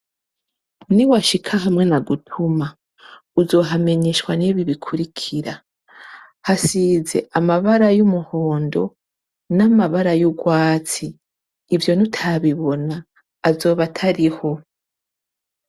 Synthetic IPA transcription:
niwaʃikʰaɦamŋe̞naɡutʰuma | uzo̞ːɦame̞ɲe̞ʃwaneβiβikʰuɾikʰiɾa | hasize̞̰ʔamaβaɾajumuho̞ːndo̞ | namaβaɾajuɡwaːt͡siː | vjo̞nutʰaβiβo̞naː | zo̞ːβatʰaɾiho̞

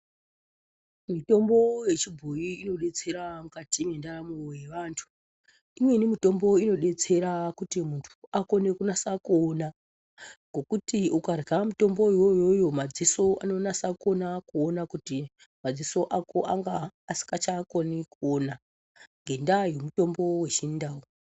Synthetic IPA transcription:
mito̞mbo̞je̞t͡ʃibʱojiːno̞ɗe̞t͡se̞ɾaŋkatimendaɾamuojeʋaːntʰu̥ | imwe̞nimito̞mbo̞ino̞ɗe̞t͡se̞ɾakutimuntʰuako̞ne̞kunasakona | ŋɡʱo̞kutiukaramuto̞mbo̞jo̞jo̞jo̞mad͡ziso̞a̰no̞nasako̞nakuonakuti | mad͡ziso̞ʔako̞ʔaŋɡaːsi̥ŋɡat͡ʃakonikuona | ŋɡʱe̞ndaje̞muto̞mbo̞we̞t͡ʃindaːwo

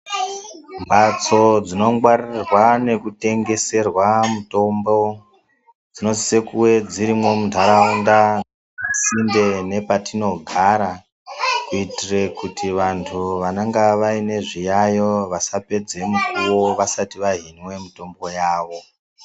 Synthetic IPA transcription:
mbat͡so̞d͡zino̞ŋɡwarirrirwane̞kute̞ŋɡe̞se̞rwamuto̞mbo̞ | d͡zino̞zise̞kuwe̞d͡ziɾimwo̞mundʱaɾaunda | sinde̞ne̞patino̞ɡʱaɾa | kuitire̞kutʰiʋantʰuʋanaŋɡaʋaine̞ʐijajo̞ʋasape̞d͡ze̞mukuwoʋasatiʋaɦinwe̞mito̞mbo̞jaːʋo̞

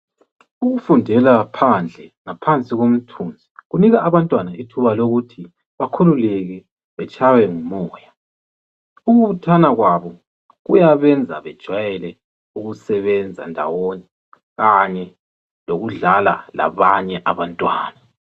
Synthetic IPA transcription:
uɣufundʱɛlapʰand͡ɮʱɛŋapʰant͡sʼiɣom̩tʰund͡zʱiɣuniɣaʔːβantʼwanaitʰuβaloɣutʰi | βakʰululɛɣɛ | βɛt͡ʃʼawɛŋumɔːja | uɣuβutʰanaɣwaβɔ | ɣujaβɛnd͡zʱa̰βɛd̥ʒ̥ʱwajɛlɛ | uɣusɛβɛnd͡zʱa̰ndʱa̰woni | ɣaɲɛ | loɣuɮala̰la̰βaɲɛʔaβantʼwa̰ːna

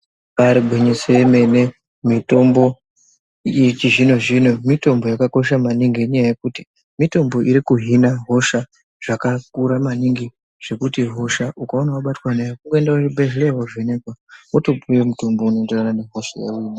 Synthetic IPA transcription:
paɾiɡʱweɲeseeme̞ne̞ | mito̞mbo̞ | it͡ʃiʐino̞ʐino̞mito̞mbo̞jakako̞ʃ̬amaniŋɡiɲajaje̞kuti̥ | mito̞mbo̞ʔiɾikuɦinaɦo̞ʃa | ʐ̥akakuɾamaniŋɡi | ʐ̥e̞kutiɦo̞ʃaʔukaonawaɓatwanejakuŋɡoendaibeʒeɾeɦovenekwawoto̞pujemuto̞mbo̞unoenderanane̞ɦo̞ʃa̰jḛwiːna

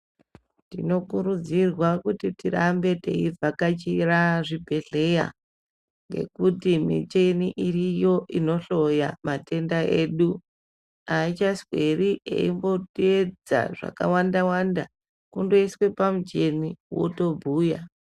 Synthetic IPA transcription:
ndino̞kuɾud͡zirwakutitirambe̞te̞̰ib͡vakat͡ʃiraʐibʱe̞ɮe̞ja̰ | ŋɡe̞̰kutimḭt͡ʃe̞niʔirijo̞ʔino̞ɬo̞jamate̞ndaʔeːɗu | ait͡ʃaswe̞riʔḛimbo̞tied͡za̰ʐa̰ka̰wandawanda | kundoiswe̞pamud͡ʒe̞niwo̞̰to̞bʱuːja

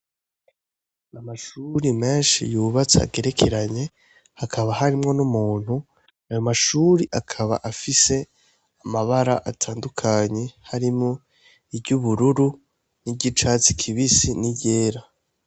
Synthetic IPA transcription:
amaʃuɾime̞ːnʃḭjuːβat͡sea̰ɡe̞ɾe̞kʰe̞ɾaɲe̞ | hakʰaβaɦaɾimŋo̞numuːn̥hu | ajo̞maʃuːɾiʔakʰaβa̰ʔafise̞ | amaβaɾa̰ʔatʰaːndukʰaɲe̞haɾimŋo̞ | ibɟuβuɾuɾu | niɟit͡ʃaːt͡si̥kʰiβisiniɟeːɾa

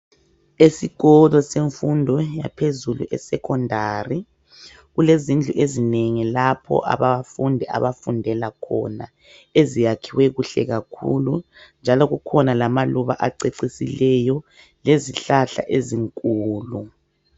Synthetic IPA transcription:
esiɣɔlɔseɱfundʱɔja̰pʰezulṵʔɛsɛkʰɔndʱari | ɣulezind͡ɮʱuʔezineŋilapʰɔ̰ʔa̰βaafundʱɛa̰βafundʱɛlakʰɔ̰na | ezijakʰiwɛɣuɬɛ̰ɣakʰṵlu | nd͡ʒʱalɔɣukʰɔnalamaluβaʔaǀeǀisilɛjɔ | leziɬaɬa̰ʔeziŋkʼuːlu

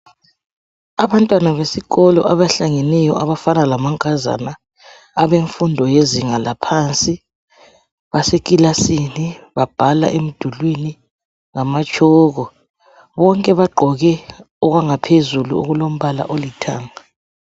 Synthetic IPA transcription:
aβantʼwanaβesiɣɔlɔ̰ʔaβaɬaŋenɛjɔʔaβafanalamaŋkʼaza̰naː | βeɱfundʱɔjeziŋalapʰaːnt͡sʼi | βasekʼilasiniβab̥ʱala̰ʔem̩d̥ʱulwini | ŋamat͡ʃʰʼɔːɣɔ | βɔŋkʼɛβaɡ͡ǃʱɔɣɛ | ɔɣwaŋapʰezulṵṵɣulom̩βala̰ʔolitʰa̰ːŋa

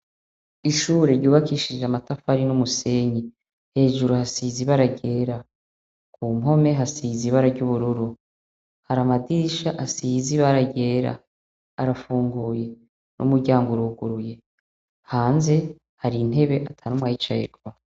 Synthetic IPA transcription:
iʃuːɾe̞ɾɟuːβakiʃiʒamatafaɾinumuse̞ɲi | he̞ːʒuɾuhasiːziβaɾaɟe̞ːɾa | kuːmɦo̞me̞ɦasiːziβaɾaɾɟuβuɾuɾu | haɾamadiʃaʔasiziβaɾaɟe̞ːɾa̰ː | ɾafuːŋɡuːje̞ | nʔṵmuɾɟaːŋɡoɾuɡuɾuje̞ | haːnze̞ | haɾin̥e̞βe̞ʔatʰanumŋahit͡ʃajḛɾɡwa

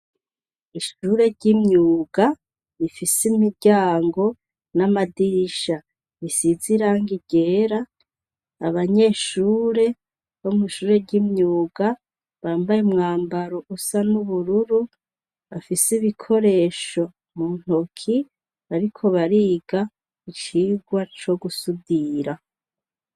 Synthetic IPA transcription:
iʃuːɾe̞ɾɟimɲuːɡa | βifisimiɟaːŋɡo̞ | namadiʃa | βisiziɾaŋɡiɡe̞ːɾaː | βaɲe̞ːʃuːɾe̞ | βomiʃuːɾe̞ɾɟimɲuːɡa | βaːmbajemŋaːmbaɾo̞ʔusanuβuɾuɾu | βafisiβikʰo̞ɾe̞ːʃo̞ | mun̥okʰi | aɾikʰo̞βaɾiːɡa | it͡ʃiːɡwat͡ʃo̞ɡusudiːɾa

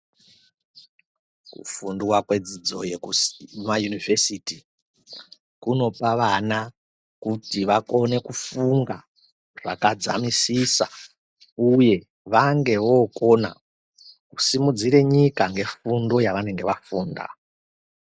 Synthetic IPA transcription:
kṵfunduwakwe̞d͡zid͡zo̞jekumajunivʱesiti | kuno̞paʋana | kutiʋako̞ne̞kufuŋɡa | ʐa̰kad͡za̰misisa̰ | uje̞ | ʋaŋɡe̞ʋo̞ko̞na̰ | kusimud͡ziɾe̞ɲikaŋɡe̞fundo̞jaʋane̞ŋɡe̞ʋafuːnda̰

